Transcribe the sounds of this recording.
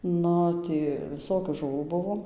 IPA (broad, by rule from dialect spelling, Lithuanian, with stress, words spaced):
ˈnʊ ˈtʲiː ʋʲɪˈsoːkʲuː ʒʊˈʋuː ˈbʊʋoː